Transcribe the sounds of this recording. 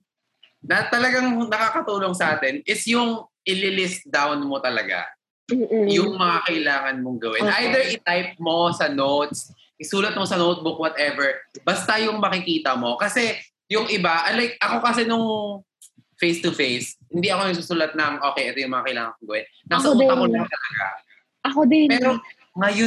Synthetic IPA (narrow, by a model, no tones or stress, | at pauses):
nɐt̪ɐlɐɡaŋnɐkaːkɐt̪uːlo̞ŋsɐʔaːt̪ɛnʔɪsjʊŋʔɪlɪlɪst̪̚d̪awnmot̪ɐlɐɡa̰ | jʊŋmɐŋakɐʔɪlaːŋɐnmoŋɡɐwɪ̰nʔajd̪ɛɹɪt̪ajp̚mo̞sɐnowt̪s | ʔɪsuːlɐt̪̚mosɐnowt̪̚bʊkwɐt̪ʔɛvɛɹbɐst̪ɐjʊŋmɐkɪkiːt̪ɐmo̞kɐsɛ | jʊŋʔɪbaʔɐlajk̚ʔɐko̞kɐsɛnʊŋ | fejst̪ʊfejshɪnd̪iʔɐko̞nɐɡsusuːlɐt̪̚nɐŋʔo̞ːkejʔɛːt̪ojʊŋmɐŋakɐʔɪla̰ːŋɐnmoŋɡɐwɛnːɐsmɐkont̪ɐlɐɡa̰ | ʔɐkod̪ɛmɛːɾo | ŋɐjʊ